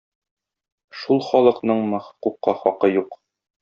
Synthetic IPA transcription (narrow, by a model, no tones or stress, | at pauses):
ʃulˠχɒlˠɤ̆qnɤɴmɤ̆χɤ̥̆quqːɑχɒqɤjuq